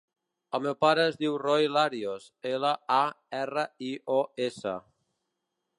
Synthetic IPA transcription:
əlˠmewpaɾəːzðiwrɔjlaɾios | eləa | ɛrəioesə̰

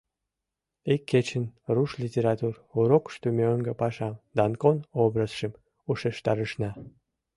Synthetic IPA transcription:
ikʰːet͡ɕənruʃlʲitʲeɾɑt̪ur | uɾokʃt̪umʲeoŋɡə̆pɑʃɑd̪ɑnkonobrəsʃəm | uʃeʃt̪ɑɾəʃnɑ

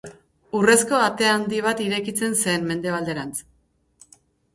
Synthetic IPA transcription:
ure̞sko̞at̪e̞and̪iβ̞at̪iɾe̞kit͡se̞nsenme̞nd̪e̞β̞ald̪e̞ɾant͡s

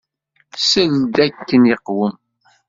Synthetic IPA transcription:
səld̪ækːəniqːwəm

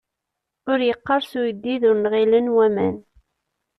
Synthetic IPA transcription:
ʊɾjəqːɑɾˤsujd̪ːiðʊɾnʁilənwæmæ̰n

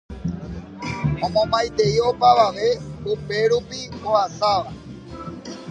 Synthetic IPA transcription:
õmõmajt̪e̞io̞paʋaʋe̞upe̞ɾupioasaʋa

